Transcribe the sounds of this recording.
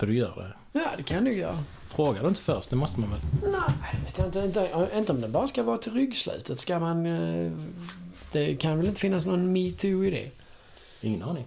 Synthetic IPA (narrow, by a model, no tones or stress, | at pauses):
fɛd̪ɵjœ̰ːɖɛ̰ | jɑːd̪ɛkʰand̪uːɡjœ̰ːɾa | fɾoːɡad̪ɵɪnt̪ə̥fœɾst̚d̪ɛmɔst̪əmanvɛlnæveːt̪jaɪnt̪əɪnt̪əɪnt̪əɔmd̪ɛbɑːɾaskavɑːt̪ʰɪlɾʏɡːslʉ̰ːt̪ʰət̪skaman | d̪̥ɛkʰanvɛlɪnt̪əfɪnːas̬nɔnmit̪ʰʉɪd̪ḛː | ɪŋːənɑːɾnɪŋ